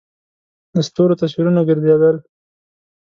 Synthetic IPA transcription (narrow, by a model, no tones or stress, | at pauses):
d̪əst̪oɾot̪as̬wiɾunaɡɪɾd̪ed̪əl